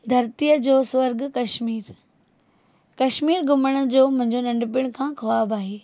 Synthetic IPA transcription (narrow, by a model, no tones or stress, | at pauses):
d̪ʱɐɾt̪ijəd͡ʑoːsʋɐɾɡkɐʃmiːɾ | kɐʃmiːɾɡʊməɽ̃əd͡ʑoːmʊ̃ɦɪ̃ɲd͡ʑonɐ̃ɳɖp̬ɪɽ̃kʰãːkʰɐʋaːbaːɦeː